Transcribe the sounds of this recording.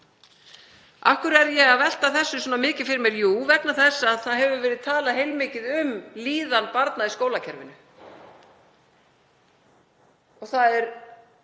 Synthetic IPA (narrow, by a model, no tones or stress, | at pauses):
a̰hkvʏɾɛɾjɛɣaðvɛl̥t̪aθɛsːʏs̬ɔːnamɪːcɪfɪɾɪɾmjɛɾjuːvɛknaθɛsːaːðθaðɦɛvʏvɛːɾɪðt̪ʰaːlaɦeːjlmɪːcɪðʏmliːðanpaɾt̪naðiskoːwlacʰɛɾvɪnʏ | ɔɣθaðɛɾ